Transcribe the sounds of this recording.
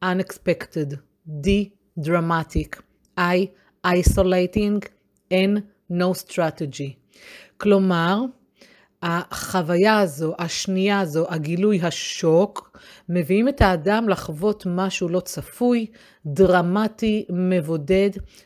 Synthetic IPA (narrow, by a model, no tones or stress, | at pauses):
ʔanekspektedː | i | dʁamatik | ʔaj | ʔajsolejtiŋɡ | enː | owst̪ʁated͡ʒi | klo̞maʁ | haχavajaːzo̞ʔaʃnijaːzo̞ʔaɡilujɦaʃo̞kme̞viimethaːdamlaχvo̞tmaʃulo̞t͡safuj | dʁamatime̞vo̞de̞d